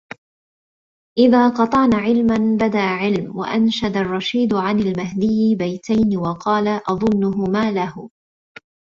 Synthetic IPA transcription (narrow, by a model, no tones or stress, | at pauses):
ʔɪðaːqɑt̪ˤɑʔnaːʕɪlmanbad̪aʔʕɪlmwa̰ʔanʃad̪arˤːɑʃiːd̪ʕanalmaɦd̪ɪjːbajt̪ajnɪwɑqɑːlaʔɑðˤʊnːʊɦʊmaːlahʊ